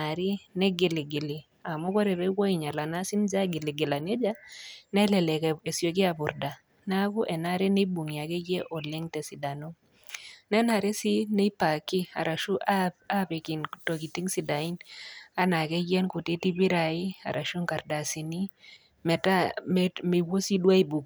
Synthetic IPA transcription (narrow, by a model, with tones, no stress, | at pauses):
a˨ɾi˦nɛ˦ɡe˨li˨ɡɪ˨li˨ | a˨mo˦kɔ˦ɾe˨βɛ˦ko˦i˨ɲa˨la˨na˦si˦nd͡ʒa˦ɡɪ˨lɪ˨ɡe˨la˨ne˦d͡ʒa˦nɛ˦lɛ˨lɛ˨kɛ˨e˨sjo˨k̬i˦a˨bʊ˨ɾda˨ | na˦ku˦ʔɛ˨na˦ɾe˦ne˦bu˨ŋi˨a˨ke˦ɡe˦ʔo˨le˦ŋtɛ˨si˨da˨no˦ | nɛ˦na˨ɾe˦si˦ne˦pa˨ki˦a̰˨ɾa˨ʃu˦ʔaa˦pe˨kɪ˨nto˨ki˨ti˦ŋsi˨da˨i˦na˦na˨ke˦ɡje˦nkʊ˨te˦ti˦bi˦ɾa˨ɪ˦a̰˨ɾʔa˨ʃo˦ŋka˨ɾda˨si˨ni˦ | mɛ˨tame˨wo˦si˦dwa˦i˨bu˨k